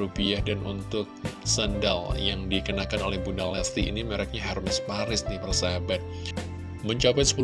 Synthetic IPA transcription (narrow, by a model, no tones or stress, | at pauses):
upiahdanṵnt̪ʊk̚sənda̰ljaŋdikənakanolɛhbunalast̪ḭːniməɾak̚ɲaɦɛrmɪspaɾɪsnipərsaɦabat̪̚ | məɲt͡ʃapajsə̥pu